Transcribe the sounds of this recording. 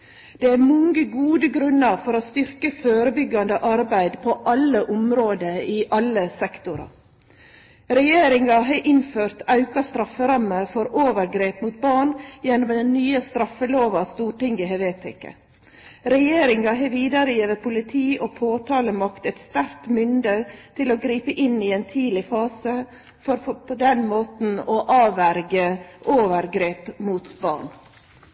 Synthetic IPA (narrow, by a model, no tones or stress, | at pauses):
d̪̥ɛæɾmɔŋɡəɡuːd̪əɡɾʉnəɾfɔɾoːst̪ʏɾkəføːɾəbʏɡːɑnd̪əʔɑɾbæɪd̪pʰɔʔɑləʔʊmɾoːd̪əɪʔɑlːəsɛkt̪ʊɾɑ̰ | ɾɛjeːɾɪŋɑɦɑːʔɪnføːɾt̪ɑʉkɑst̪ɾɑfːəɾɑməɾfɔɾoːʋəɾɡɾeːpmuːt̪̚bɑːɳjɛnːɔmd̪ɛnnyːəst̪ɾɑfəloːʋɑst̪uːʈɪŋɪɦɛʋeːt̪ʰɪkɑ̰ | ɾɛjeːɾɪŋɑɦɑːʋiːd̪ɑɾəjiːʋəpʰʊlɪt̪ʰiːʔɔpʰoːt̪ʰɑːləmɑkt̪ɛt̪st̪æɾt̪mʏnd̪ət̪ʰɪloːɡɾiːpəʔɪniɛːnt̪ʰiːd̪lɪfɑːsə | fɔɾpʰɔd̪ɛnmoːt̪n̩ɔʔɑːʋæɾɡəʔoːʋəɾɡɾeːpmuːt̪bɑ̰ːɳ